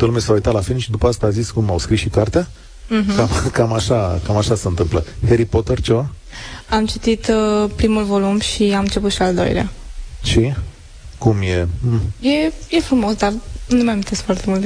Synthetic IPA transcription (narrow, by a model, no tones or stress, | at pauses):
t̪əlumesawujt̪at̪lafilnʃid̪upəast̪aːziskumawskɾisʃikart̪ea | kamkamaʃakamaʃaseɨnt̪ɨmpləheɾipot̪ərt͡ʃe̞va | amt͡ʃit̪it̪pɾimulvo̞lumʃiamɨnt͡ʃe̞put̪ʃiald̪o̞̰j̰lea̰t͡ʃi | kumjeje̞je̞fɾumo̞sd̪arnemamint̪e̞skfoart̪e̞mult̪